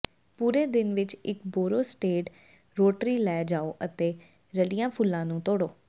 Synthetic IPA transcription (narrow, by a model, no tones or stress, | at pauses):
puːɾeːd̪ɪnʋɪt͡ʃɪkboːɾoːsʈeːʈ | ɾoːʈɾiːlɛːd͡ʒaːoːʔət̪eː | ɾəlɪjãːpʰʊlːãːnũːt̪oːɽoː